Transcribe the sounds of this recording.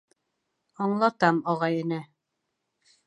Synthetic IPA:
ɑɴlˠɑt̪ɑmɑʁɑjɘ̆nɘ

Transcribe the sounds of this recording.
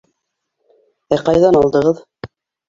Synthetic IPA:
æqɑjðɑnɑlˠd̪ɤ̆ʁɤð

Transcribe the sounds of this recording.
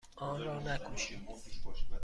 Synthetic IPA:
ʔɒːnɾɒːnækʰoʃi

